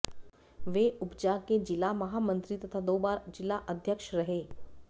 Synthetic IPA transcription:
ʋeːʊpd͡ʒaked͡ʒɪlamɐɦamə̃nt̪ɾit̪ɐt̪ʰad̪oːbaːɾd͡ʒɪlːaʔəd̪ʱjəkʃɾɐɦeː

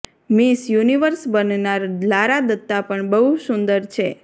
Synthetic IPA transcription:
misjuniʋəɾsbənnaɾlaɾad̪ət̪ːapəɳbəɦusund̪əɾt͡ʃʰe

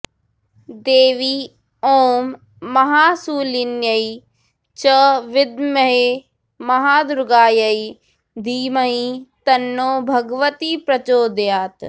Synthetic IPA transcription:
d̪eːʋi | oːmː | ɐɦaːsuːlinjɐi | t͡ʃɐʋɪd̪mɐɦe | mɐɦaːd̪ʊɾɡaːjɐi | d̪ʱiːmɐit̪ɐnːoːbʱɐɡʋət̪ipɾɐt͡ʃoːd̪jaːt̪

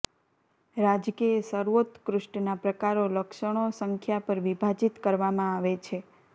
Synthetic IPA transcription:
ɾad͡ʒkiesəɾʋot̪kɾʊʃɳnapɾəkaɾoləkʃəɳ̃osəŋkʰjapəɾʋibʱad͡ʒit̪kəɾʋamãaʋet͡ʃʰe

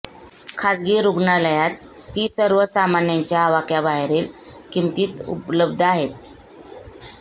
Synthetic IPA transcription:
kʰad͡zɡiːɾuɡɳaləjat͡s | t̪ːiːsəɾʋəsamanjaɲt͡ɕjaːʋakjabaɦɾiːl | kimt̪iːt̪ṵpləbd̪ʱəaɦet̪̚

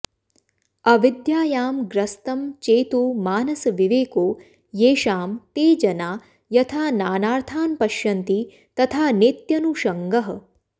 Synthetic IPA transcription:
ɐʋid̪jaːjaːmɡɾɐst̪ɐmt͡ʃeːt̪uːmaːnɐsɐʋiʋeːkoː | jeːʃaːmt̪eːd͡ʒɐnaː | jɐt̪ʰaːnaːnaːɾt̪ʰaːnpɐʃjɐnt̪i | t̪ɐt̪ʰaːnit̪jɐnuʃɐŋɡɐɦɐ̆

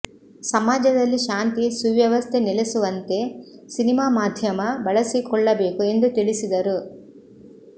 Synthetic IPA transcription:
sɐmaːd͡ʒɐd̪ɐlːiʃaːnt̪isuʋjɐʋɐst̪ʰenɛlesuʋɐnt̪e̞sinimaːmaːd̪ʱjɐmɐbɐɭɐsikɔɭːɐbe̞ːkue̞nd̪ut̪iɭisid̪ɐɾu

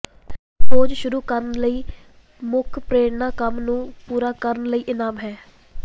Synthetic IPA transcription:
poːd͡ʒʃʊɾuːkəɾənləiː | mʊkʰpɾeːɽnãːkəmnũːpuːɾaːkəɾənləiːʔɪnaːmɦɛː

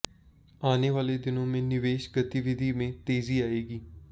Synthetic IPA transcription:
aːneːʋaːleːd̪ɪnõːmẽːnɪʋeːʃɡət̪iʋɪd̪ʱiːmẽːt̪eːziːaːeːɡiː

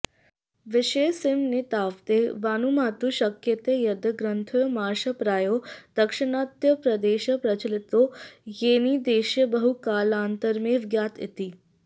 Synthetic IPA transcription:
ʋɪʃeːsɪmnit̪aːʋt̪eːʋaːnumaːt̪uʃɐkjɐt̪eːjɐd̪ɐɡɾənt̪ʰojmaːɾʃɐpɾaːjoːd̪̥ɐkʂɪnaːt̪jɐpɾɐd̪eːʃɐpɾɐt͡ʃəlɪt̪ojeːnid̪eːʃjəbəɦukaːlaːnt̪əɾmeʋɡjaːt̪ɪ̰t̪iː

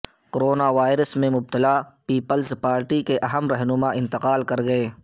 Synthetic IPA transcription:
koɾoːnaʋaːɪɾəsmẽmʊb̚t̪ɪlapiːpəlzpaːɾʈikeʔɐɦəmɾɛɦnʊmaʔɪ̃nt̪ɪqaːlkɐɾɡɐeː

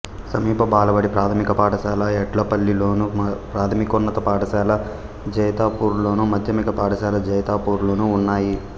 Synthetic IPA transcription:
sɐmiːpɐbaːlɐbɐɽipɾaːt̪ʰɐmikɐpaːʈɐʃaːlɐɛʈlɐpɐlːilo̞ːnupɾaːt̪ʰɐmikunːɐt̪ɐpaːʈɐʃaːlɐ | d͡ʒɐjɐt̪aːpuːɾlo̞ːnumɐd̪ʱjɐmikɐpaːʈɐʃaːlɐd͡ʒɐjɐt̪aːpuːɾlo̞ːnuːnːaːji

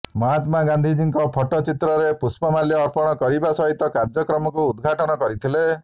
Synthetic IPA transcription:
mɔɦat̪maɡand̪ʱid͡ʒiŋkɔpʰɔʈɔt͡ʃit̪ɾɔɾepuspɔmaljɔːɾpɔɽ̃ɔkɔɾibasɔɦit̪ɔkaɾd͡ʒɔkɾɔmɔkuːd̪ɡʱaʈɔnɔkɔɾit̪ʰile

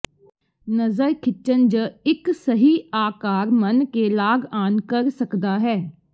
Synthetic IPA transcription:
nəzəɾkʰɪt͡ʃənd͡ʒɪksəɦiːaːkaːɾmənkeːlaːɡaːnkəɾsəkd̪aːɦɛː

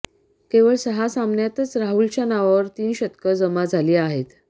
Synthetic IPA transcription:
keʋəɭsəɦasamnjat̪ət͡sɾaɦult͡ɕjanaʋaʋəɾt̪iːnɕət̪kəd͡zəmad͡zʱaliːaɦet̪

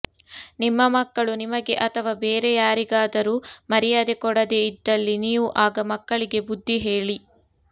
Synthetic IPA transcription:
nimːɐmɐkːɐɭunimɐɡe̞ʔɐt̪ʰɐʋaːbe̞ːɾe̞jaːɾiɡaːd̪ɐɾuːmɐɾijaːd̪e̞kɔɽɐd̪e̞id̪ːɐlːiniːʋuʔaːɡɐmɐkːɐɭiɡe̞bud̪ʱːiɦeːɭi

